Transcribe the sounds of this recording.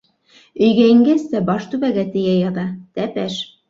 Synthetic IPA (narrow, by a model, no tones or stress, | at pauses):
ɵ̆jɡæɘ̆ŋɡæsæbɑʃt̪ʉβæɡæt̪ɘ̆jæjɑðɑt̪æpæʃ